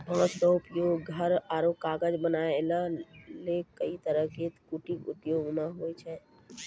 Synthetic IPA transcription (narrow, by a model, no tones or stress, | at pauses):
bʱə̃səupjoɡːʱəɾaɾokaɡəd͡ʒbənaeləlekəit̪əɾəɦɡet̪kuʈikṵt̪joɡmeɦojt͡ʃʰɛ